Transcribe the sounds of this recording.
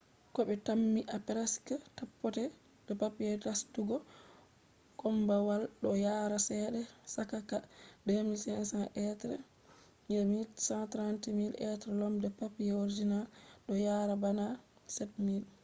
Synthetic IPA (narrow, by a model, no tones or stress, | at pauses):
kɔɓɛtamːiʔapɛɾaskatapːɔtɛ | dɔpapijɛdastuɡɔ | kɔmbawalɗɔjaːɾasɛɗɛsakakademilsɛnsanʔɛtɾɛ̰ | jɛmisãtɾantimilʔɛtɾɛlɔmdɛpapijɛoɾid͡ʒinalɗɔjaːɾabana | sɛt̚mil